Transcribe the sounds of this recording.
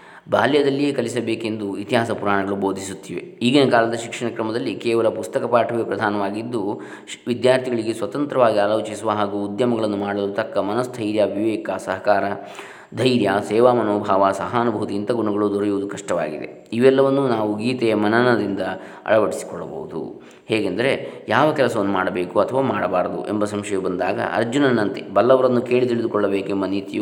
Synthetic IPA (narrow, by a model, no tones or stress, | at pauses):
bʱaːljɐd̪ɐlːije̞ːkɐlisɐbeːke̞nd̪uit̪iɦaːsɐpuɾaːɳɐɡɐɭubo̞ːd̪ʱisut̪ːiːʋḛiːɡenɐkaːlɐd̪ɐʃikʂɐɳɐkɾɐmɐd̪ɐlːikɛːʋɐlɐpust̪ɐkɐpaːʈʰɐʋepɾɐd̪ʱaːnɐʋaːɡid̪ːu | ʋid̪jaːɾt̪ʰiɡɐɭiɡesʋɐt̪ɐnt̪ɾɐʋaːɡiaːloːt͡ʃisuʋɐɦaːɡuːd̪jɐmɐɡɐɭɐnːumaːɽɐlut̪ɐkːɐmɐnɐsd̪ʰʱɐjɾjaːbʱiʋkaːsɐɦɐkaːɾɐ | d̪ʱɐjɾjaːsɛːʋaːmɐnoːbʱaːʋaːsɐɦɐnubʱut̪iːnt̪ɐɡuɳɐɡɐɭud̪ʱɔɾɐjuʋud̪ukɐʂʈɐʋa̰ːɡḭd̪e̞̰ | iʋɛlːɐʋɐnːunaːʋuɡiːt̪ɛjɐmɐnɐnɐd̪ind̪ɐ | ɐ̰ɭɐʋɐʈisi̥kɔɭːɐ̰bo̰wud̪ṵ | hɛːɡend̪ɐɾe̞jaːʋɐkɛlɐsɐʋɐnːumaːɽɐbeːkuɐt̪ʰɐʋaːmaːɽɐbaːɾɐd̪ṵʔembɐsɐmʃɐjubɐnd̪aːɡɐ̰ɐ̰ɾd͡ʒunɐnɐnt̪ibɐlːɐʋɐɾɐnːuke̞ːɭit̪̬iɭid̪ukɔɭːɐbeːkemɐnit̪iju